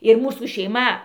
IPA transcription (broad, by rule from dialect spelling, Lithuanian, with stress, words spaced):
ɪr ˈmuːsuː ʃʲɛɪˈmɐ